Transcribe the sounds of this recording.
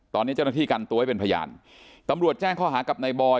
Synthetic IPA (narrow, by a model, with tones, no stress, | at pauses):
t̪ɔː˧nːi˦˥t͡ɕa˥˩naː˥˩iː˥˩kaː˧nt̪u˧ha˥˩pe˧pʰa˧ja̰ː˧n | t̪a˧mɾu˨˩ət̪̚t͡ɕɛː˥˩ŋkʰɔː˥˩ɦaː˩˦ka˨˩p̚na˧jbɔː˧